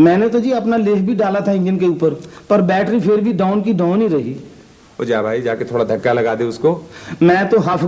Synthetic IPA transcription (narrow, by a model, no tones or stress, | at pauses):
mɛ̃ːnet̪od͡ʒiːɐpnaleːɦbʱiɖaːlat̪ʰaɪ̃nd͡ʒənkeuːpəɾpɐɾbɛːʈɾipʰɪɾbʱiɖaːʊnkiɖaːʊniɾɐɦi | o̰d͡ʒaːbʱaːid͡ʒaːket̪ʰoːɽad̪ʱɐkːalɐɡaːd̪eʊskoːmɛ̃ːt̪oɦapʰ